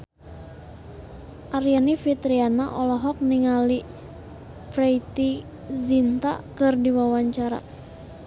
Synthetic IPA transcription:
ʔaɾianifit̪ɾianaʔɔlɔɦɔk̚niŋali | pɾeit̪i | zint̪a̰kɨrdiwawaɲt͡ʃaɾa̰

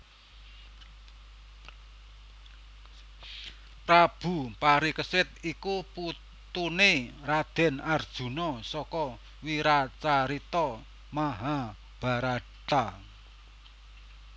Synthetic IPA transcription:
pɾab̥ṳpaɾikəsɪt̪̚ikupu | t̪unerad̪̥ɛ̤nard̥ʒ̥ṳnɔsɔkɔ | wiɾat͡ʃaɾit̪ɔ | maɦa | b̥a̤ɾa | t̪a

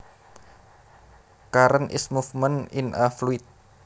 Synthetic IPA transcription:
kaɾənʔɪ̰smufməninafluɪt̪̚

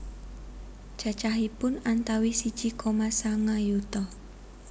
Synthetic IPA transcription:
ʒ̥a̤t͡ʃaɦipʊnant̪awisid̥ʒ̥i̤kʰomasaŋajut̪ɔ

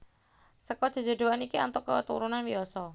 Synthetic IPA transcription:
səkɔd̥ʒ̥ə̤d͡ʒo̤d̪oanikia̰nt̪ɔkət̪uɾunanwiɔsɔ

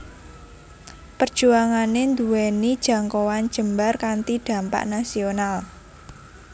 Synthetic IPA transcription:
pərd̥ʒ̥uaŋanend̪uwɛnid̥ʒ̥a̤ŋkowan̥ʒ̥ə̤mbarkant̪id̪̥a̤mpa̰ʔnasional

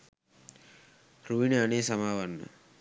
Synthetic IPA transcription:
ruʋineaneːsamaːʋanːə̰

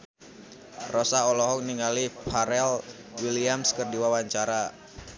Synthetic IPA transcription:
rɔsaɔlɔɦɔk̚niŋalipʰaɾɛl | wiliamskərdiwawaɲt͡ʃaɾa

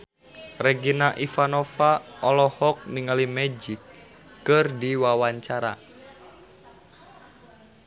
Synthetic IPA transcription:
rɛɡinaʔifanɔfaʔɔlɔhɔk̚niŋalimɛd͡ʒikː | ɨrdiwawaɲt͡ʃaɾa̰

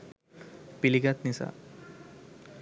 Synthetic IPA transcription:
piliɡat̪nisa̰

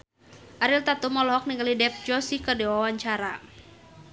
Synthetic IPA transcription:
ʔaɾilt̪at̪umɔlɔɦɔk̚niŋɡalidɛp̚d͡ʒɔsikədɛwawaɲt͡ʃaɾa

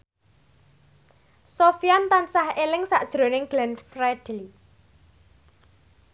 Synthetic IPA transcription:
sofijant̪ansahelɪŋsaʔd̥ʒ̥ɾo̤nɪŋɡ̥lɛnfrɛd̥ɛli

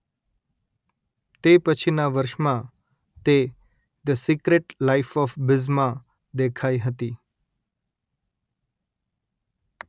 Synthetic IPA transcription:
t̪epət͡ʃʰinaʋəɾʃmã | t̪e | d̪əsikɾeʈlaifɔfbɪzmã | d̪ekʰaiɦət̪i

